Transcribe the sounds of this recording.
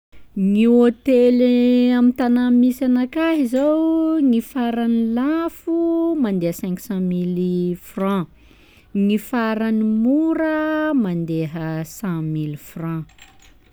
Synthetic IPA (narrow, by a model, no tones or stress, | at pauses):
ŋiot̪eleamit̪anamːisanakaɦizawŋifaɾanilafumand̪eəsɛ̃ŋku̥sɑ̃milifrɑ̃ | ŋifaɾanimuɾəmand̪eɦəsãmilfrɑ̃